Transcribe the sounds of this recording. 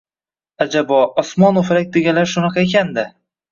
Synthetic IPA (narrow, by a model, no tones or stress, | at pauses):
ad͡ʒabɒɒsmɒnofɾak̚ʲd̪eɡʲalaɾʃʊnɑqʰɑekʲʰand̪ɪ